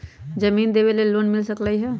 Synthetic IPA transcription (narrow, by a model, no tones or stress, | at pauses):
d͡ʒɐmiːnd̪eːʋeleloːnmɪlsəklaiɦɛ